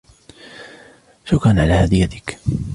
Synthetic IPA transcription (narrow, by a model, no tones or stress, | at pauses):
ʃʊkanʕalaːhad̪ɪjːat̪ɪ̥k